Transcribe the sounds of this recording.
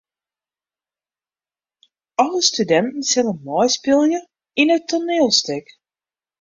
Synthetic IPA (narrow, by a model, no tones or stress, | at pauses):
ɔlˠəstydɛntən̩sɪnənmɔjspɪlˠjə | inətʰonɪːlˠstɪk